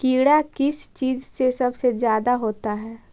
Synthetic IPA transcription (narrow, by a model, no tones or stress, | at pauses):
kiːɽakɪst͡ʃiːzsesɐbsezjaːd̪aɦoːt̪aɦɛː